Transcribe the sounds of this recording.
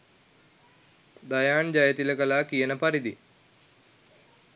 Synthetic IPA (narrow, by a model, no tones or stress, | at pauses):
d̪ɐjaːɳd͡ʒɐjɐt̪ilɐkɐlaːkijɐnɐpɐɾid̪i